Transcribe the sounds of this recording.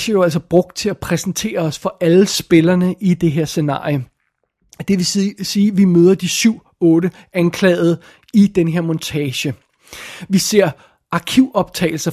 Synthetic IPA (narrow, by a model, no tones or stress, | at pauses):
ɕəjoæl̰sɐb̥ʁɔ̽ɡ̥̚d̥̚t͡sʰe̝æpʰʁɛsn̩t͡sʰe̝̰ːɐɒ̽sfɒ̽ʔælsb̥e̝lɐnəʔid̥e̝ɦe̝ɐ̰se̝nɑ̰̈ːjo | d̥e̝ʋesiːʋimøð̞ˠɐd̥isyʊ̰ | ɔ̽ːɾə | ænkʰlɛ̰ːð̞̩ˠ | id̥enɦe̝ɐ̰mɔ̽nt͡sʰɛːɕə | ʋise̝ɐ̰ | ʔɑ̈kʰiʊɒ̽b̥̚t͡sʰɛ̰ɪl̩sɐ